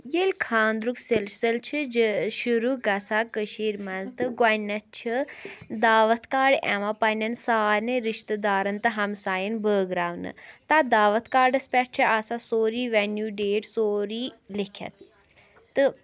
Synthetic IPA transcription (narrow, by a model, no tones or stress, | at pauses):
jelʲkʰaːnd̪ɾukselsəlt͡ʃʰid͡ʒʃuɾuɡɐsaːkəʃiːɾmɐzt̪ɨɡwanɐt͡ʃʰid̪aːʋət̪ʰkaːɖɛ̰̃ʋãpɐnʲɐnsaːɾneɾɪʃt̪əd̪aːɾɐnt̪ɨɦɐmsaːjənbəːɡɾaːʋnɨ̰t̪ad̪aːʋət̪ʰkaːɾɖɐspʲɛʈ̚t͡ʃʰiʔɐsasoːɾiːʋɛnjuːɖeːʈsoːɾilikʰɐ̰t̪ | t̪ɨ